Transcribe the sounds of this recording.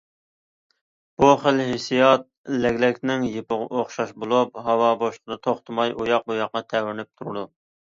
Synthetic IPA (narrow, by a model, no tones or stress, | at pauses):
b̥uχəlɦɪsijɑt̪̚lɛɡʲlɛkʲnɪŋjepəʁ̰ʔoχʃɑʃbolˠup̚ɦɑwɑboʃqʰəd̪ɑt̪ʰoχt̪ʰɨmɑjʔujɑq̚bujɑqːɑt̪ʰɛwɪɾɪnɪp̚t̪ʰuɾɨd̪u